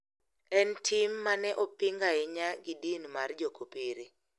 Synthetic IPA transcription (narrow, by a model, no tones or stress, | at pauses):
ɛntʰimːanɛʔopiŋɡaɪɲaɡidinmard͡ʒokopiɾi